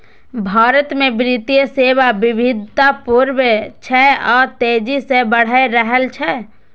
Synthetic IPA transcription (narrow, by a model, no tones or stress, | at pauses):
bʱaːɾət̪mẽbɾit̪ijəseːʋabɪbʱɪd̪ʱt̪apuɾbt͡ʃʰɛɔːɾt̪eːd͡ʒisebəɽ̤aeɾəɦəlt͡ʃʰɛ